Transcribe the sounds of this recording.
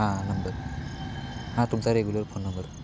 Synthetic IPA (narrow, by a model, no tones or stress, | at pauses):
ãnəmbəɾ | hãt̪umsaɾeɡuləɾpʰonːəmbəɾ